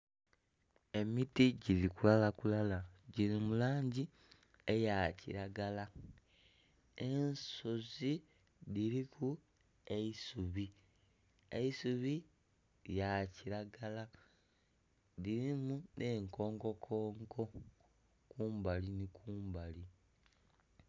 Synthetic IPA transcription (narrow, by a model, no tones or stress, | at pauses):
e̞mitiɟiɾikulalakulalaɟiɾimulaːɲɟi | e̞jacḭɾaɡala | ensozi | diɾiku | eisuβi | ḛisuβi | jaciɾaɡala | ðiɾimunʔe̞ːŋko̞ːŋɡo̞kʰoːŋɡo̞ | kuːmbalinikʰuːmbali